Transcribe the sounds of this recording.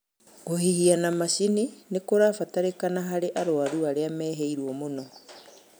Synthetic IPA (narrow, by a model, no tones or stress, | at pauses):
ɡohihianamasininekoɾaːfataɾekanaɦaɾeʔaɾoaɾuaɾeamɛːɦeiɾwɔmonɔ